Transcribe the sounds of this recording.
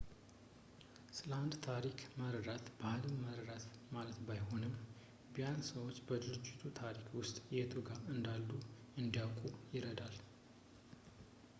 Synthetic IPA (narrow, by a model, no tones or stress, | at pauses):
sɨləand̪t̪ʰaɾikʰməɾəɾat̪bahɨlɨmːəɾəɾat̪malət̪bajho̞nɨm | bijansəwo̞t͡ʃːbəd̪ɨɾɨd͡ʒːɪt̪ʰut̪ʰaɾikwʊst̪ʼjɛt̪ʰʼɨɡaɨnd̪alːu | ɨnd̪ijawkʼujɪɾəd̪al